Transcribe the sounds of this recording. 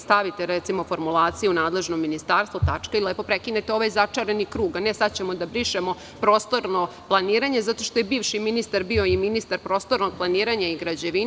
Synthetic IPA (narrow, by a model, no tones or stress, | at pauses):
st̪aʋit̪eɾɛt̪simo̞fo̞ɾmulˠaːt̪sijunaːd̪le̞ʒnomːinist̪aːɾst̪ʋot̪at͡ʂkailˠeːpo̞pɾekinet̪eo̞ʋajzat͡ʂaɾenikɾuːɡanesad̪̚t͡ɕe̞mo̞d̪abɾiʃemo̞ | pɾo̞ːst̪o̞ɾno | plˠaniːɾaɲezat̪o̞ʃt̪o̞jebiːʋʃiminist̪aɾbio̞iminist̪aɾpɾo̞ːst̪o̞ɾnoɡ̚plˠaniːɾaɲaiɡɾad͡ʑeʋi